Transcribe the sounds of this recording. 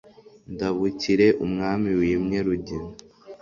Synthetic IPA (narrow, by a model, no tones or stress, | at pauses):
ndaβuciɾe̞ʔumŋaːmiwiːmɲeɾuɟiɾo